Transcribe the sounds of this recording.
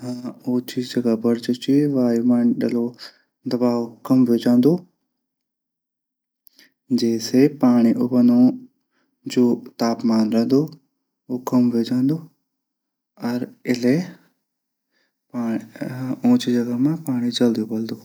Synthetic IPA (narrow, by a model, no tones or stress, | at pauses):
ɦõːt͡ʃid͡ʒɐɡabɐɾt͡ʃot͡ʃiʋaːjumãːnɗɐlo | d̪ɐbaːʋokɐmʋed͡ʒãːnd̪oː | d͡ʑeːsepaːɽ̃iʔʊbɐno | d͡ʑoːt̪aːpmaːnɾɐ̃ɦnd̪oː | oːkɐmʋed͡ʒãːnd̪oː | ɐɾɪle | paː | õːt͡ʃid͡ʒɐɡamãpaːɽ̃id͡ʒɐld̪iobɐld̪oː